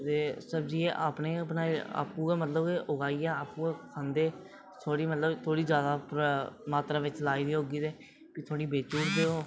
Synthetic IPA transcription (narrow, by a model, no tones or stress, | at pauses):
t̪eːsəbd͡ʒiːeːʔa̰ːpneːpnaːa̰ːpũːamət̪ləbkeʔʊɡaːiːaːaːpũːkʰãːnd̪eː | t̪ʰoːɽiːmət̪ləbt̪ʰoːɽiːd͡ʒjaːd̪aːpmaːt̪ɾaːʋɪt͡ʃlaːiːd̪iːɦoːɡiːd̪eː | kit̪ʰaːɽiːbeːt͡ʃuːʈd̪eːoː